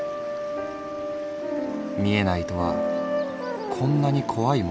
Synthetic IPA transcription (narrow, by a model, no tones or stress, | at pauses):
mʲie̞nait̪o̞βa̰ | kʰõ̞nːaɲ̟ikʰo̞βaim